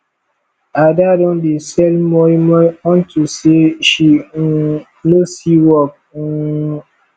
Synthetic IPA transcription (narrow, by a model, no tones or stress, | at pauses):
adadɔ̃ndesɛlmɔimɔɔ̃ntuseʃi | nosiwɔk̩̚